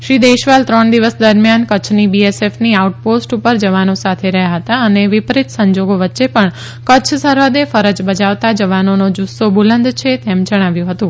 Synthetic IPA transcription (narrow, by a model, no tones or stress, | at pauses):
ʃɾid̪eʃʋalt̪ɾəɳd̪iʋəsd̪əɾmjankət͡ʃʰnibiesefniauʈ̚posʈupəɾd͡ʒəʋanosat̪ʰeɾəɦjaɦət̪aəneʋɪpɾit̪səɲd͡ʒoɡoʋətːʃepəɳ | kət͡ʃʰsəɾʋəd̪efəɾəd͡ʒbəd͡ʒaʋt̪ad͡ʒəʋanonod͡ʒusːobulənd̪t͡ʃʰet̪emd͡ʒəɽ̃aʋjũɦət̪ũ